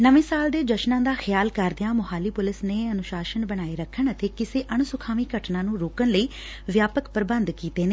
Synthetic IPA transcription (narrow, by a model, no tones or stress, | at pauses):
nəʋẽːsaːld̪eːd͡ʒəʃnãːd̪aːxjaːlkəɾd̪ɪjãːmʊɦaːliːpʊlɪsneːənʊʃaːʃənbəɽ̃aːeːɾəkʰːəɳət̪eːkɪseːʔəɳ̃sʊkʰaːʋiːkəʈnãːnũːɾoːkəɳləiː | ʋjaːpəkpəɾbə̃nd̪kiːt̪eːneː